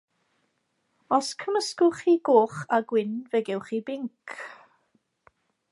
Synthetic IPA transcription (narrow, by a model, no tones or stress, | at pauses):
ɔskʰəməskʊχiːɡ̥oːχaɡwɪnvɛɡɛwχibɪŋkʰ